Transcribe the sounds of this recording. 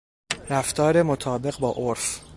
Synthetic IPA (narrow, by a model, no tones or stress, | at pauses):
ɾæft̪ʰɒːɾe̞mot̪ʰɒːbe̞ɣbɒːʔoɾf